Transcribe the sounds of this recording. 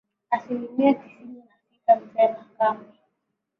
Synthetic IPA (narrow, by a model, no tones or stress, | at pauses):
asilimiaki̥sininasitam̩sɛnakamɛ